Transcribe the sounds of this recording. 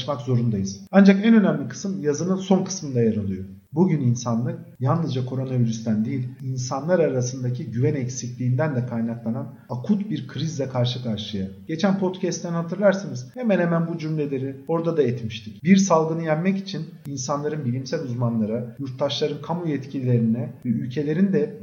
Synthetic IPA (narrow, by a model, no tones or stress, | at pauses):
ʃmakzo̞ɾund̪ajɯz̥and͡ʒakɛnø̞næmlʲikʰɯ̥sɯmjazɯnɯnso̞nkʰɯ̥smɯnd̪ajaɾɯlˠɯjo | buɟyninsanlˠɯk̚ | jalˠnɯzd͡ʒakʰo̞ɾo̞naviɾyst̪ænd̪ijilʲinsanlˠaɾaɾasɯnd̪acʰiɟyvænɛcsiclʲiːnd̪ænd̪ɛkʰajnaklˠanan | akʰut̪biɾkʰɾizd̪ʲɛkʰaɾʃɯkʰaɾʃɯjaɟ̥e̞t͡ʃʰænpʰo̞t̪cʰɛst̪ːænhat̪ʰɯɾlˠaɾsanɯz̥hemænhemænbud͡ʒymlʲe̞lʲe̞ɾio̞ɾd̪ad̪aɛt̪miʃt̪ʰicbiɾsalˠɡɯnɯjæmːɛcit͡ʃʰin | insanlˠaɾɯnbilʲimsælʲuzmanlˠaɾajuɾt̪d̪aʃlˠaɾɯnkʰamujɛt̪cʰilʲilʲe̞ɾinɛvɛylʲcʰe̞lʲe̞ɾind̪ɛ